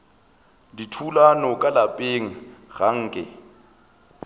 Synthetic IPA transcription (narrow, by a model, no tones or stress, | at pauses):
ditʰulanɔkʼalapʼeŋ̩ɣaŋ̩ːkʼɪ̰